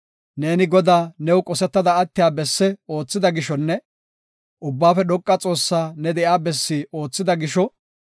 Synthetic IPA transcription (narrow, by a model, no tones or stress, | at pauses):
ne̞ːnɪɡɔd̪aːnɛwkʼɔsɛt̪ːɐd̪ɐːt̪ːɪjaːbɛsːɛo̞ːt͡sːɪd̪ɐɡɪʃɔnːɛ | ʔʊbːaːfɛɗɔkʼːɐt͡sʼo̞ːsːaːnɛd̪ɛʔjaːbɛsːiːoːt͡sːɪd̪ɐɡɪʃɔ